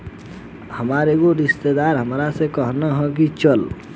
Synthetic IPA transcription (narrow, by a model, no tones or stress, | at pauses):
həmaːɾeɡoɾɪst̪ed̪aːɾɦəmɾasekəɦnaɦɔk̬it͡ʃəl